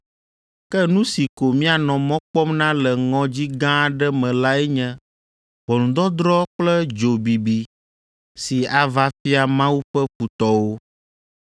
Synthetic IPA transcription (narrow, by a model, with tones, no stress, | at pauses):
kɛ˦nũ˦si˨ko˨mĩ˦a˨nɔ̃˨mɔ̃˦k͡pɔ˦mnã˦lɛ˨ŋɔ̃˦d͡ʑi˦ɡã˦˨ɖɛ˦mɛ̃˨la˦ɛ˦ɲɛ̃˦ | bɔ˨nũ˨d̪ɔ˦d̪ɾɔ˦k͡plɛ˦d͡ʒo˨bi˨bi˨ | si˨a˨va˦fi˦a˨mã˦wu˦ɸɛ˦ɸu˨t̪ɔ˦wo˦